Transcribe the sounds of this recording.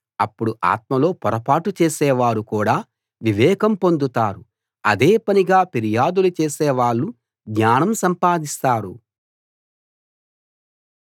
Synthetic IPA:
ɐpːuɽuʔa̰ːt̪̚mɐlo̞ːpɔɾɐpaːʈut͡ʃeːsɛːʋaːɾukuːɽaː | ʋiʋɛːkɐmpo̞nd̪ut̪aːɾu | ɐd̪eːpɐniɡaːpeɾijaːd̪ulut͡ʃeːseːʋaːɭːu | ɡɲaːnɐmsɐmpaːd̪ist̪aːɾṵ

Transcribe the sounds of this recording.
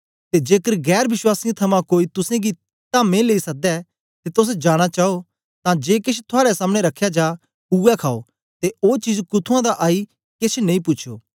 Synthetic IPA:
t̪ed͡ʒeːkəɾɡɛːɾʋɪswaːsɪjãt̪ʰɐmãkoːit̪ʊsẽɡi | t̪amẽleːisɐk̚d̪ɛ | t̪et̪ʊs̬d͡ʒaːɽ̃at͡ʃaːo | t̪ãd͡ʒeːkɪt͡ʃʰt̪ʰʊaːɾɛsaːmɽ̃eɾɐkʰːjad͡ʒaː | uɛkʰaːo̰ | t̪eoːt͡ʃiːd͡ʒkʊt̪ʰuãd̪aʔaːi | kɪt͡ʃʰnẽĩpʊtːʃʰo̰ː

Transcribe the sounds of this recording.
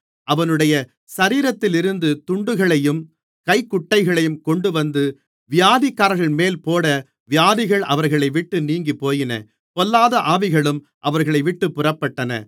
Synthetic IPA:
ʔɐʋɐnɯɽɐjɐ | sɐɾiːɾɐt̪ːɪlɪɾɯnd̪ɯt̪ʊɳɖɯɣɐɭɐjɯm | kɐɪkːʊʈːɐɪɣɐɭɐjɯmkɔɳɖɯʋɐnd̪ɯ | ʋɪjaːðikːaːɾɣɐɭmeːlpoːɽɐ | ʋɪjaːðɪɣɐɭɐ̰ʋɐɾɣɐɭɐɪʋɪʈːɯniːŋɡipoːjɪnɐ̰ | pɔlːaːðɐʔaːʋɪɣɐɭɯm | ʔɐʋɐɾɣɐɭɐɪʋɪʈːɯpːɯrɐpːɐʈːɐnɐ̰

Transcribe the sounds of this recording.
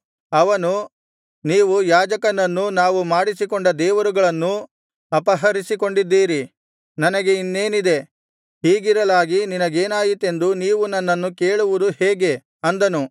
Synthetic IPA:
ɐʋɐnu | niːʋujaːd͡ʒɐkɐnːɐnːunaːʋumaːɽisikoɳɖɐd̪ɛːʋɐɾuɡɐɭɐnːu | ɐpɐɦɐɾisiko̞ɳɖid̪ːiːɾi | nɐnɐɡe̞inːe̞ːnid̪e̞ | hiːɡiɾɐlaːɡininɐɡeːnaːjit̪ːe̞nd̪uniːʋunɐnːɐnːuke̞ːɭuʋud̪uheːɡe̞ | ɐnd̪ɐnu

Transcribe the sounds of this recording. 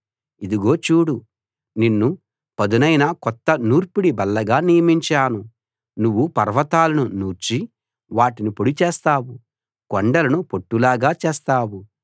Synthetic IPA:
id̪uɡo̞ːt͡ʃuːɽu | ninːu | pɐd̪unɐjnɐkɔt̪ːɐnuːɾpiɽibɐlːɐɡaːnijɐmiɲt͡ʃaːnu | nuʋːupɐɾʋɐt̪aːlɐnunuːɾt͡ʃi | ʋaːʈinipoɽit͡ʃeːst̪aːwu | kɔɳɖɐlɐnupo̞ʈːulaːɡaːt͡ʃeːst̪aːwu

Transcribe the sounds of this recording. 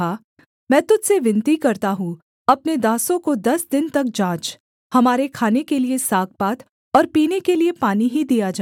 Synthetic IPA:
a | mɛ̃ːt̪ʊd͡ʒseʋɪ̃nt̪ikɐɾt̪aɦũ | ɐpned̪aːsõkod̪ɐsd̪ɪnt̪ɐk̚d͡ʒãːt͡ʃ | hɐmaːɾekʰaːnekeliesaːk̚paːt̪ | ɔːɾpiːnekeliepaːniɦid̪ijad͡ʒa

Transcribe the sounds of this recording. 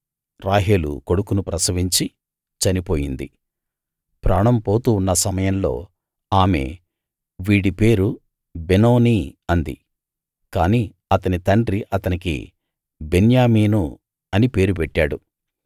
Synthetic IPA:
ɾaːɦeːlṵko̞ɽukunupɾɐsɐʋiɲt͡ʃi | t͡ʃɐnipo̞ːjind̪ḭ | pɾaːɳɐmpo̞ːt̪uːnːɐsɐmɐjɐnlo̞̰ː | aːme̞̰ | ʋiːɽipe̞ːɾu | beno̞ːniɐnd̪ḭ | kaːniː | ɐt̪ɐnit̪ɐɳɖɾiʔɐt̪ɐnikḭ | be̞njaːmiːnu | ɐnipe̞ːɾupɛʈːaːɽu

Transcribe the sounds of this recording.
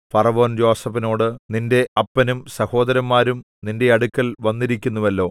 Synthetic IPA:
pɐrɐʋo̞ːnd͡ʑo̞ːsɐbino̞ːɽɨninde̞ɐpːɐnumsɐho̞ːd̪ɐɾɐmːaːɾum | ninde̞ɐɽukːɐlʋɐnːiɾikʲːunːuʋɐlːo̞ː

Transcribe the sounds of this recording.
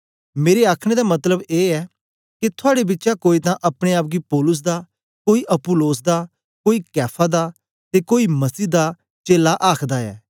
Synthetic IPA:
meːɾeaːkʰɽ̃ed̪amɐt̪ləbeːɛː | kit̪ʰʊaːɽebɪtːʃakoːit̪ãʔɐpɽ̃eaːp̚ɡipɔːlʊs̬d̪aː | koːiʔɐpʊloːs̬d̪aː | koːikɛːpʰad̪aː | t̪ekoːimɐsiːd̪a | t͡ʃeːlaʔaːkʰd̪aːɛ̰ː

